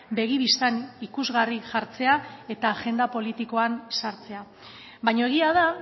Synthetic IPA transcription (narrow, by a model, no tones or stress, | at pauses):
be̞ɣ̞iβist̪anikuzɣariʝaɾt͡se̞ae̞t̪aːʝe̞nd̪apo̞lit̪iko̞ansaɾt͡se̞a | bajɲoeɣ̞iað̞a